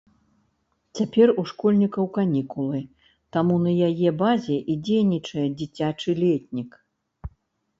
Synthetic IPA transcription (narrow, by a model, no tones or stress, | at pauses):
t͡sʲapʲɛruʂkɔlʲnʲikɐwkanʲikulˠɨ | t̪amunɐjajɛbazʲɛʔid͡zʲejnʲit͡ʂɐjɛd͡zʲit͡sʲat͡ʂɨlʲɛtʲnʲik